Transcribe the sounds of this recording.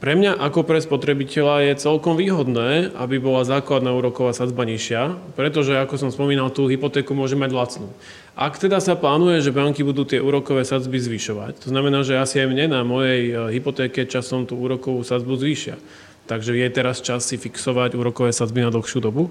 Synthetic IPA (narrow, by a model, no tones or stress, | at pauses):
pɾɛmɲaʔakɔpɾɛspɔt̪ɾɛbicɛʎajɛt͡sɛlkɔmʋiːɦɔd̪nɛːabibɔlazaːklad̪naːuːɾɔkɔʋaːsad͡zbaɲiʃɪapɾɛt̪̬ɔʒɛakɔsɔmspɔmiːnalt̪uːɦipɔt̪ɛːkumʊɔʒɛmːaɟlat͡snuː | ʔakt̪ɛd̪asaplaːnujɛʒɛbaŋkibud̪uːt̪ɪɛʔuːɾɔkɔʋɛːsad͡zbizʋiʃɔʋa̰ct̪ɔznamɛnaːʒɛasiajmɲɛnamɔjɛjɦipɔt̪ɛːkɛt͡ʃasɔmt̪uːuːɾɔkɔʋuːsad͡zbuzʋiːʃɪa̰ | t̪aɡʒɛjɛt̪ɛɾast͡ʃasːifiksɔʋaɟuːɾɔkɔʋɛːsad͡zbinad̪l̩xʃjuːd̪ɔbu